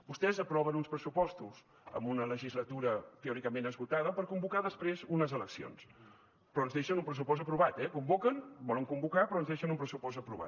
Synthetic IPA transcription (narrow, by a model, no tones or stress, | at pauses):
bust̪ɛzəpɾɔβənunspɾəsupɔst̪uz | ə̰mbunələʒizlət̪uɾət̪eɔɾikəmenəzɣut̪aðəpəɾkumbukaðəspɾezunəzələksio̰ns | pɾɔənzðeʃənumpɾəsupɔst̪əpɾuβat̪ɛkumbokənbɔləŋkumbukapɾɔənzðeʃənumpɾəsupɔz̬əpɾuβa̰t̪